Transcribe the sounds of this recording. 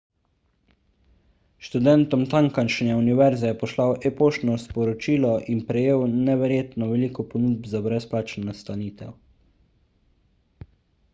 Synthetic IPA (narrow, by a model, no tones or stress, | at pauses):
ʃt̪ud̪ɛnt̪ɔmt̪aŋkanʃnʲɛuniʋɛɾzɛjɛpɔslawʔɛpoːʃnɔspɔɾɔt͡ʃiːlɔʔinpɾɛjeːwnɛʋɛɾjeːt̪nɔʋɛliːkɔpɔnud̪̚bzabɾɛsplaːt͡ʃnanast̪aniːt̪ɛ̰w